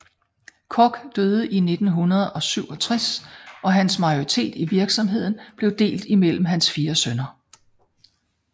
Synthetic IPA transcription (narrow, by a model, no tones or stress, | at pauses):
kʰɒɡ̥d̥øð̞ˠəʔine̝d̥n̩ɦunɐð̞ˠɒ̽syʊ̰ɒ̽t͡sʰʁasʔɒ̽ɦænsmɑ̈ɪoʁit͡sʰe̝̰ːd̥iʋiɐɡ̥sɒ̽mɦe̝ð̞̰ˠn̩b̥le̝ʊd̥e̝̰ːld̥imel̰m̩ɦænsfiːɐsønɐ